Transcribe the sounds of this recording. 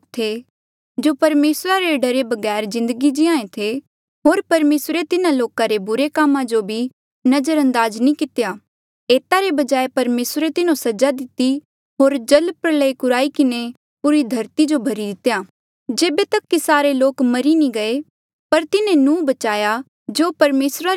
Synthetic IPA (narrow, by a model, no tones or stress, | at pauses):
t̪ʰe | d͡ʒoːpɐɾmeːsɾaɾeɖɐɾebɐɡɛːɾzɪ̃nd̪əɡid͡ʒɪãːẽt̪ʰe | ɦoːɾpɐɾmeːsɾet̪ɪnãloːkãɾebʊɾekaːmãd͡ʒobʱi | nɐd͡ʒəɾɐ̃nd̪aːznĩkɪt̪ejaː | eːt̪aɾebɐd͡ʒaːepɐɾmeːsɾet̪ɪnõsɐd͡ʒad̪ɪt̪ːi | ɦoːɾd͡ʒɐlpɾələikʊɾaːikɪne | pʊɾid̪ʱɐɾt̪id͡ʒobʱɐɾid̪ɪt̪ːjaː | d͡ʒeːbet̪ɐkːisaːɾeloːkmɐɾinĩɡɐe | pɐɾt̪ɪnẽnũːbɐt͡ʃaːja | d͡ʒoːpɐɾmeːsɾa